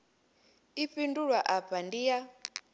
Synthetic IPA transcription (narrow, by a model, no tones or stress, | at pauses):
iɸinduɺwaʔapandija